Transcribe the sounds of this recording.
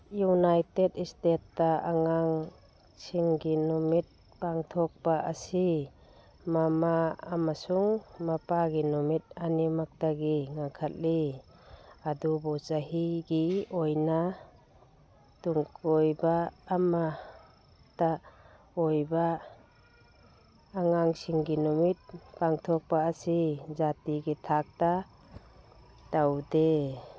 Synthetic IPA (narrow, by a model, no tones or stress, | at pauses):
junajtedistetːaaŋaŋ | sʰiŋɡinɔmit̚ | paŋtʰɔk̚b̥aʔasi | mama̰ːmasuŋmapaɡinɔmit̚animak̚daɡiŋaŋkʰat̚li | adubɔt͡ʃaɦiɡiɔjna | tuŋkʰɔjbaːma | ta | ɔjba | ŋaŋsiŋɡinɔmit̚paŋtʰɔk̚paːsizatiɡitʰak̚ta | tawde